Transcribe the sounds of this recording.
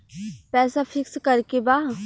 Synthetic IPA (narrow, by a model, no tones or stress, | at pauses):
pɛːsafʰɪkskɐɾkebaː